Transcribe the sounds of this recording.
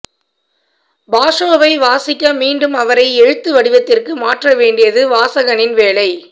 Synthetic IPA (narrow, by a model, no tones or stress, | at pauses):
baːʂoːʋɐɪʋaːsɪkːɐmiːɳɖɯmɐʋɐɾɐɪɛɻɯt̪ːɯʋɐɽɪʋɐt̪ːɪrkɯmaːʈrɐʋeːɳɖɪjɐðɯʋaːsɐɣɐnɪnʋeːlɐɪ